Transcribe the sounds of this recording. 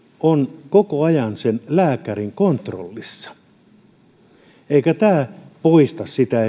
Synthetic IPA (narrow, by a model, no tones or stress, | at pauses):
onkokoɑjɑnsenlæːkæriŋkont̪ro̰lːisːɑ̥ | eikæt̪æːpoist̪ɑssit̪æ